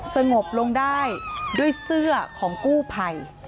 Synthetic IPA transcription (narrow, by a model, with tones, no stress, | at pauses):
sa˧ŋo˨˩p̚lo˧ŋdaː˥˩jdu˥˩əjsɯ˥˩ɐkʰɔː˩˦ŋkuː˥˩pʰa˨˩j